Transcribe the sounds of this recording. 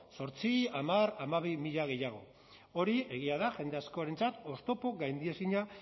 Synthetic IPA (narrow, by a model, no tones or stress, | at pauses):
so̞ɾt͡siamaɾamaβ̞imiʎaɣ̞e̞jaɣ̞o̞̰ | o̞ɾie̞ɣ̞iaðaʝe̞nd̪e̞asko̞aɾe̞nt͡sat̪o̞st̪o̞po̞ɣajnd̪ie̞siɲa